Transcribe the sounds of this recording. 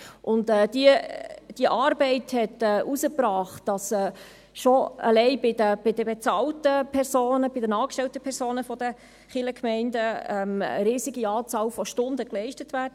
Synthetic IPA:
ʔʊndɛːdiəd̥iəʔɑːɾbɛɪthɛtɛʔusəpɾɑːχt̚d̥ɑsɛː | ʃoə̰lɛɪbɪdəb̥ɪdəbet͡sɑːltəpʰɛɾsoːnəbɪdənɑːkʃtɛltəpʰɛɾsoːnəfɔd̥ə | χɪləkʰmɛɪndəɛmə̰ɾiːsiɡiɑːt͡sɑːlfɔʃtʊndəklɛɪʃtətʋæːdə

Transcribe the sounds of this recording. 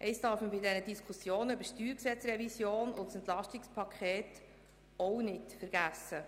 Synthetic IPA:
ʔɛɪsd̥ɑɾfməbɪdɛnədiskʰusjoːnəœbəʃtyːɾksɛt͡srɛvisjoːnʊntsɛnt̪lɑʃtɪkspʰɑkʰχeːt | ɔʊnɪtfəɾɡ̥æsə

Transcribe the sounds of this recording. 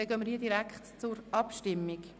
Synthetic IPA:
ɛɡøːməɾhiədiɾækχtt͡sʊɾʔɑpʃtɪmːik

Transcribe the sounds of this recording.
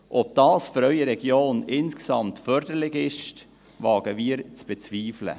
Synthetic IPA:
ʔɔp̚d̥ɑːsføɾœʏəɾɛɡjoːnɪnskə̥sɑmtfœɾdəɾlɪɡɪʃt | vɑːɡ̥əviːəɾt͡sb̥ɛt͡sviːflə̰

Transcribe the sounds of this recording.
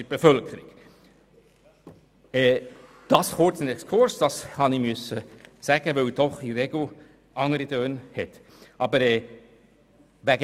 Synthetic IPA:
b̥efœlkʰəɾɪɡ̥ | ɛ | d̥ɑsχʊt͡sənɛkskʰʊɹsd̥ɑshɑnimʏsəsæːɡ̥əʋɛld̥ɔχiɾeɡ̥l̩ | ʔɑŋəɾidøːnhɛt̪ | ʔɑːbəɾɛː | ʋæɡ

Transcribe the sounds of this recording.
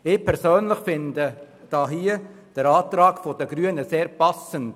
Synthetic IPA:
ɪpʰɛɾsøːnlɪχfɪndə | d̥ɑːɦiː | d̥əɾɑːtɾɑːɡfodəɡ̥ɾyənəseːɾpɑsənd

